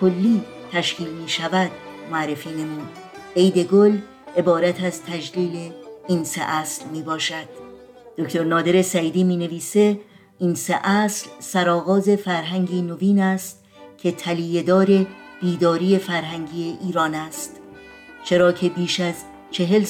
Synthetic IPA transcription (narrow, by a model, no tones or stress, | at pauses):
kʰolːiː | t̪ʰæʃkʰiːlmiːʃævæd̪moæɾːefiːne̞muːd̪̥ | ejd̪e̞ɡol | e̞bɒːɾæt̪ʰæzt̪ʰæd͡ʒliːle̞iːnsḛʔæslmiːbɒːʃæd̪̥̚ː | okt̪ʰoɾnɒːd̪e̞ɾe̞sæiːd̪iːmiːne̞viːse | iːnseʔæslsæɾɒːɣɒːze̞fæɾɦæŋɟiːnoviːnæst̪̚ | cʲʰe̞t̪ʰælied̪ɒːɾe̞b̥iːd̪ɒːɾiːe̞fæɾɦæŋɟiːeʔiːɾɒːnæst̪ | t͡ʃʰe̞ɾɒːcʰe̞biːʃæz | t͡ʃʰe̞ɦe̞l